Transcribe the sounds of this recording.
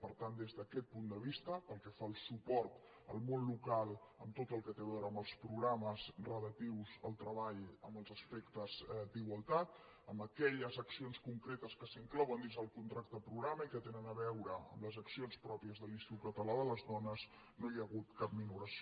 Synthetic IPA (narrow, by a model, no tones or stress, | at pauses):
pəɾt̪and̪ezðəkɛt̪̚pund̪əβ̞ist̪əpəlˠkɛfalˠsupɔɾt̪ | ə̰lˠmonlukalˠəmt̪ot̪əlˠkət̪eβɛwɾəmbəlˠspɾuɣɾaməzrələt̪iwzəlˠt̪ɾəβaʎəmbəlˠzəspekt̪əzd̪iɣwəlˠt̪at̪ | əmbəkɛʎəzəksionskuŋkɾet̪əskəsiŋklɔwənd̪inzðəlˠkunt̪ɾak̚t̪əpɾuɣɾaməikət̪enənəβɛwɾəə̰mləzəksionspɾɔpiəzðəlinst̪it̪ut̪̚kət̪əlaðələzðɔnəz | nojəɣut̪kap̚minuɾəso